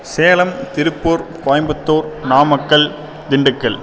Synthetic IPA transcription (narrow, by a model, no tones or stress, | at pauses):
seːɐlɐmt̪ɪɾɯpːoːɾpaːjmbɐt̪ːoːɾnaːmɐkːɐɭ | d̪ɪɳɖɯkːɐɭ